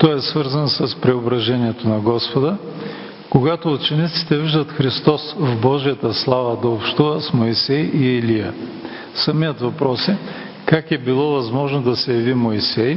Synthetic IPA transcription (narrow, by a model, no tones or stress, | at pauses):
t̪ɔɛsvɤɾzənsɐspɾɛobɾɐʒɛniɛt̪onɐɡɔspod̪ə | koɡat̪oːt͡ʃɛnit̪si̥t̪ɛviʒd̪ət̪xɾist̪ɔsvbɔʒijət̪əslˠavəd̪ɐopʃt̪uvəsmoisɛjiɛlijə | sɐmijət̪vɐpɾɔsɛ | kakɛbilˠɔvɐzmɔʒnod̪ɐsɛjɐvimoisɛj